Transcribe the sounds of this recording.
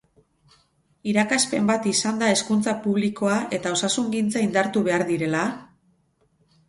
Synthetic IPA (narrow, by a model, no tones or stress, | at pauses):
iɾakaspe̞mbat̪isand̪ae̞skunt͡sapuβliko̞aʔe̞t̪ao̞sasuŋɡint͡saind̪aɾt̪uβe̞aɾðiɾe̞la